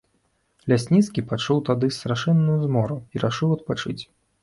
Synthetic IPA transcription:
lʲasʲnʲit̪skʲipat͡ʂuwt̪ad̪ɨst̪ɾaʂɨnːujuzmɔɾuiɾaʂɨwɐt̪̚pat͡ʂɨt͡sʲ

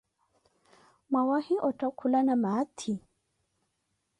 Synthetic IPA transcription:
mawahiʔɔtakʰulanamat̪ʰi

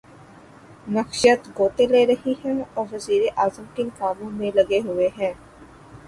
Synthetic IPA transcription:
nəxʃət̪ɡoːt̪eleːɾəɦiɦɛ̃ːɔːɾʋəziːɾeʔaːzəmkɪnɪkaːʋõmẽːləɡeɦʊeɦɛ̃ː

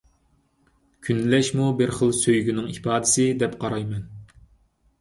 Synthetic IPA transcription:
kʲʰynlɛʃmubɪɾχəlˠsøjɡʲynɪŋipɑːd̪ɪsɪd̪ɛpqʰɑɾɑjmɛn

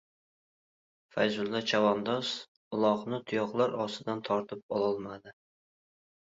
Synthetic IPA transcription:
fajzʊlˠːat͡ʃʰavɒnd̪ɒs | ʊlˠɒqnɪt̪ʰʊjɒqlˠaɾɒsɪd̪ant̪ʰɒɾt̪ʰɪp̚ɒlˠɒlˠmad̪ɪ

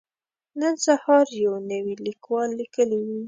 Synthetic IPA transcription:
nənsahɑɾjawnəwilikwɑlːikəliwi

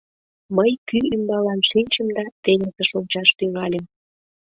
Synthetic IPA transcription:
məjkyymbɑlɑnʃinʲt͡ɕəmd̪ɑt̪enet̪əʃolt͡ɕɑʃt̪yŋɑlem

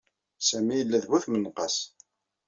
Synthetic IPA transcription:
sæmijəlːæðwæθmənːqɑs

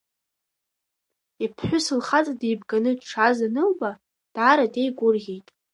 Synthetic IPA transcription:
ipʰħʷᶣʊsɨlχat͡sʼadejbɡanɨʈ͡ʂʰazanɨlba | d̥aːɾadejɡʷʼʊrʁʲejtʼ

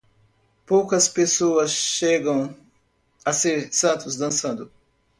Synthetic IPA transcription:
poːkɐspesoɐzʃeːɡɐ̃w̃ | ɐsesaːt̪ʰusd̪ɐ̃nsɐ̃nd̪u

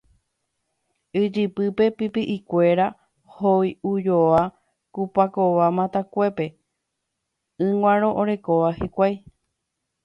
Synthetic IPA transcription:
ɨd͡ʒɨpɨpe̞pipiʔikʷe̞ɾa | hojud͡ʒoʋa | kupako̞ʋamãt̪akʷe̞pe̞ | ɨ̃ŋwʷãɾ̃õ̞ʔoɾe̞ko̞ʋahikʷaj

